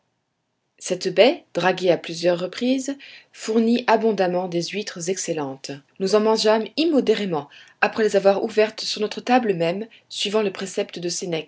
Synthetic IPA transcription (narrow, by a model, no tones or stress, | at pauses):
sɛt̪bɛd̪̥ʁaɡʲeaplyzjœʁːəpχizfuʁniʔabɔ̃d̪amɑ̃d̪ezɥit̪χəzɛkselɑ̃t̪nuzɑ̃mɑ̃ʒamimɔd̪eʁemɑ̃ | apχɛlezavwaʁuvɛʁt̪syʁnɔt̪χət̪abləmɛm | sɥivɑ̃ləpχesɛpt̪d̪əsenɛk